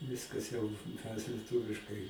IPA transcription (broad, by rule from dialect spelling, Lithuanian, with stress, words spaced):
ˈʋʲɪskɐs jɛʊ mʲɛs lʲiɛˈtʊʋʲɪʃkɐɪ